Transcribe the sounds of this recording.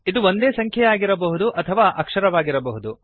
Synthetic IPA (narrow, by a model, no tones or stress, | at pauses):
id̪uʋond̪eːsɐŋkʰjɐjaːɡiɾɐbɐɦud̪uʔɐt̪ʰɐʋaːʔɐkʂɐɾɐʋaːɡiɾɐbɐɦud̪u